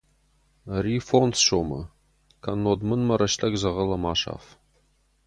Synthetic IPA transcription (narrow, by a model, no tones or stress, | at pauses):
riːfonsʂomɐ̰ | kʰɐnːoːd̪mɨnmɐɾɐʃtʰɐɡzɐʁɐlɐmaːʂa̰ːf